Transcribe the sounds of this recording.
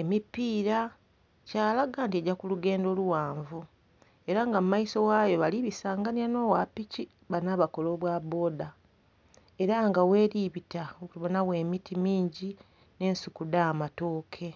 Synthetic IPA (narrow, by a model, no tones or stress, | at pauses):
e̞mipːiːɾa | caːlaɡaːntieɟakuluɡe̞ːndo̞ːluwaːɱvu | e̞ɾaŋɡamumaiso̞waːjo̞βaliβisaːŋɡaniano̞ːwapːici | βanaβako̞lo̞βwaːβo̞ːda | e̞ɾaŋɡawe̞ːɾiβitaouuβonawe̞ːmitimiːɲɟi | ne̞ːnsukudaːmato̞ːkʰe̞